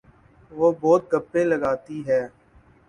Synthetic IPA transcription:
ʋoːbɔːt̪̚ɡəpːẽləɡaːt̪iɦɛː

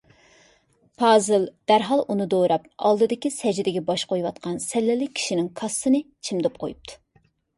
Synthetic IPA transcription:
pʰɑːzɨlˠd̪̥æɾɦɑlˠunɨd̪oɾɑpɑ̰lˠd̪ɨd̪ɨkʲisɛd͡ʒd̪ɪɡʲɛbɑʃqojwɑt̪̚qʰɑnsɛlːɪlːɪk̚ʲʰi̥ʃinɪŋkʰɑsːɨnɨ | t͡ʃʰimd̪ɪp̚qʰojup̚t̪ʰu̥

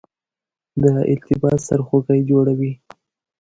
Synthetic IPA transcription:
d̪əɪ̰lt̪ɪbɑsa̰ɾxoɡəjd͡ʒoɽawi

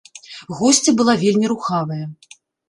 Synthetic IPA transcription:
ɣɔsʲt͡sʲɐbɨlˠavʲelʲmʲiɾuxavɐjɐ

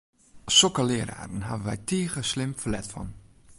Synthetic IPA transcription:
sɔkəlɪːəɾa̰ːɾən̩ɦavəʋɛ̰jtʰiːəɣəslɪmfəlɛtfɔ̰n

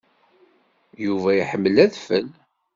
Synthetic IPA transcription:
juvæjiħəmːlæðfəl

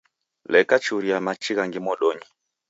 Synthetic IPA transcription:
lɛkat͡ʃuɾiamat͡ʃiɣaŋɡimɔɗɔɲi

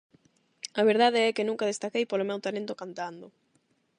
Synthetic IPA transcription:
ɐβeɾðaðɪɛkɪnũŋkað̞est̪akejpolomewt̪alẽnt̪okant̪and̪ʊ

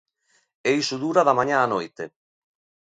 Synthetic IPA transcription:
ɛjsud̪uːɾaðamaɲaːnɔjt̪e

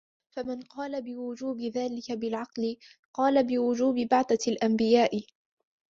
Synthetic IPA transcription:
famanqɑːlabɪwʊd͡ʒuːbɪðaːlɪkabɪlʕɑqlɪ | qɑːlabɪwʊd͡ʒuːbɪbaʕθalʔambɪjaːʔɪ

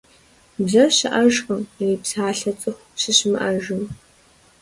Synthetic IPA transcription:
bzɐɕɪʔɐʒqʼəmriːpsaːɬɐt͡sʼɨxʷɕɨɕɪmʔɐʒɨm

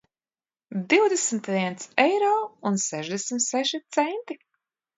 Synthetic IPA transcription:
d̪iwd̪esmt̪viɛnt̪sɛjɾɔːunsɛʒd̪esmt̪sɛʃit̪sɛnt̪i

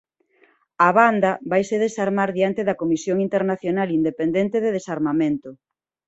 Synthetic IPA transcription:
aβand̪ɐβajseðesaɾmaɾðiant̪eðɐkomisjoŋint̪eɾnaθjonalind̪epend̪ent̪eðeðesaɾmamẽnt̪ʊ

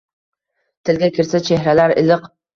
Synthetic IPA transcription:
t̪ʰɪlɡʲakʲɪɾsat͡ʃʰeɦɾalaɾɪ̰lɨq

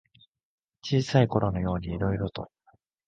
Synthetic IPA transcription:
t͡ɕiːsaiko̞ɾo̞no̞jo̞ːɲ̟iːɾo̞iɾo̞t̪o̞̰

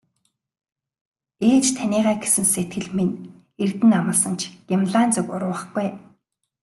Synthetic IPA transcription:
eːt͡ɕt̪ʰæniːʁæːɡesɘ̆nset̪ɡɘ̆ɮmen | ert̪ɘ̆namə̆ɮsə̆nt͡ɕʰɡ̥imɮaːnt͡sʊkʊɾʊːə̆χɡuj

